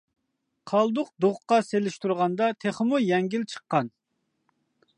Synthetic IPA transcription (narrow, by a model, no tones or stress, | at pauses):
qʰɑlˠd̪ʊq̚d̪oʁqɑselɪʃt̪uɾʁɑnd̪ɑt̪ʰeχmujɛŋɡʲilt͡ʃʰə̥qːɑn